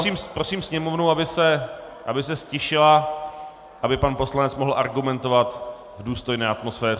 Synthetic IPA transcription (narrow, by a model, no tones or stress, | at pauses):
siːmpɾo̞siːmsɲɛmo̞vnuabɪsɛ | ʔa̰bɪsɛscɪʃɪla | ʔabɪpanpo̞slanɛt͡smoɦl̩ʔaɾɡumɛnt̪o̞vat̪ | vduːst̪o̞jnɛːat̪mo̞sfɛːr